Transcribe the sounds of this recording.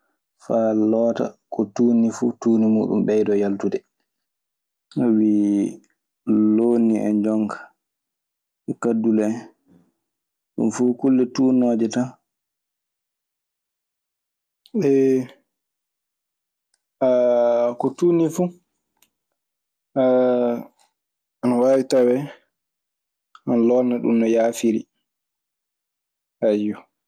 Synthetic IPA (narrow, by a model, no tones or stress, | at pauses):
falɔːta̰kɔtuːnifutuːnimuːɗṵmbɛjdɔjaltudɛ | sawi | loːniʔɛ̰ɲd͡ʒɔŋkḁ | ʔɛkadːulɛ | ɗṵmfuːkulːɛtuːnod͡ʒɛta | ɓɛ | akɔtuːnifu | a | anawaːwitawɛ | ʔanalɔnːaɗṵmnɔjaːfiɾi | hajɔ